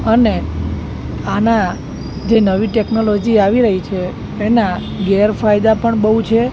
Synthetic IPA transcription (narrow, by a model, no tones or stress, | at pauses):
əne | ana | d͡ʒenəʋiʈeknolod͡ʒiaʋiɾəɦit͡ʃʰeː | na | ɡeɾfajd̪apəɳbəɦut͡ʃʰe